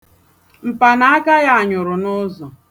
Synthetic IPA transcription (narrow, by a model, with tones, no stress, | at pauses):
m̩˨pa˨na˨a˦ka˦ja˦a˨ɲʊ˨ɾʊ˨nʊ˦zɔ˨